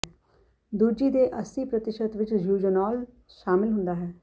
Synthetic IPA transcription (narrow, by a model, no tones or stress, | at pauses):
d̪uːd͡ʒiːd̪eːʔəsiːpɾət̪ɪʃət̪ʋɪt͡ʃjuːd͡ʒənɔːl | ʃaːmɪlɦʊ̃nd̪aːɦɛː